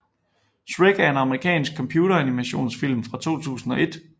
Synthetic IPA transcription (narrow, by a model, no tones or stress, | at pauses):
sʁeɡ̥æɐe̝nɑ̈məʁikʰɛ̰ːnsɡ̥̚kʰːɒ̽mpʰjuːɾɐænimæɕo̝̰ːnsfil̰mfʁɑ̈t͡sʰo̝̰ːt͡sʰṵːsn̩ɒ̽ʔe̝d̥